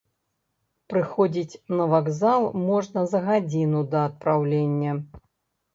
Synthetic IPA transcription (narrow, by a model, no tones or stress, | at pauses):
pɾɨxɔd͡zʲit͡sʲnɐvaɡzalˠmɔʐnɐzɐɣad͡zʲinud̪ɐːt̪̚pɾawlʲenʲːɐ